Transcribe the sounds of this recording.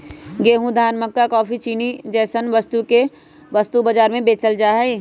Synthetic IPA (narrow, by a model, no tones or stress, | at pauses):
ɡeːɦũd̪ʱaːnməkːakɔːpʰit͡ʃiːnid͡ʒɛːsənʋəst̪uke | ʋɐst̪ubəd͡ʒaːɾmẽbeːt͡ʃəld͡ʒaːɦɛi